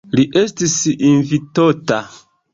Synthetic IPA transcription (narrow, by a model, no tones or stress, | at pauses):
liʔe̞stisinvitota